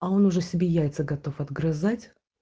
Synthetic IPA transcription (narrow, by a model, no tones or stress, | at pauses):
ɐo̞nʊʐɛsʲɪbʲejæjʲt̪səɡɐt̪o̞fɐd̪ɡɾɐzatʲ